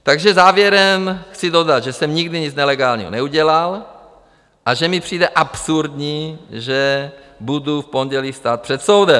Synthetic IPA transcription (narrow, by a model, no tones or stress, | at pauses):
t̪aɡʒɛzaːvjɛɾɛmxt͡sido̞dat̪ʒɛsɛmɲiɡdiɲit͡snɛlɛɡaːlɲḭɦo̰nɛuɟɛlal | ʔaʒɛmipr̝̥iːdɛʔapsuɾdɲiːʒɛ | budufpo̞ɲɟɛliːfst̪aːt̪̚pr̥ɛt̪sowdɛm